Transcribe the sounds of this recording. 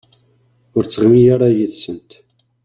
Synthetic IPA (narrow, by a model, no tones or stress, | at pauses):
ʊɾt͡sːəʁmijaɾˤajiθsənt̪